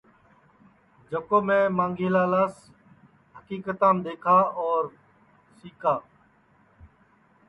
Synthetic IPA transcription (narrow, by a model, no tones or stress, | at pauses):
d͡ʒəkoːmẽːmãːŋɡʱeːlaːlaːs | ɦəkiːkət̪ãːmd̪eːkʰaːɔːɾ | siːkaː